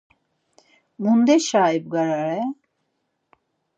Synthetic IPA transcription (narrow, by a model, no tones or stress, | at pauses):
mund̪ɛʃaːib̚ɡaɾaɾɛ